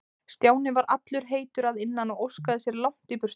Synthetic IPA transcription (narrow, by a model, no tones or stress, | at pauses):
st̪jaːwnɪvaɾʔat̪lʏɾ̥ɦeːjt̪ʏɾaðɪnːanɔɣowskaðɪsjɛɾlawŋ̥t̪ɪpʏr̥